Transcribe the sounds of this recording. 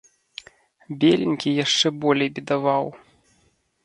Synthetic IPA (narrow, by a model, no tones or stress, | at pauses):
bʲelʲinʲkʲijaʂt͡ʂɛbɔlʲejbʲid̪avaw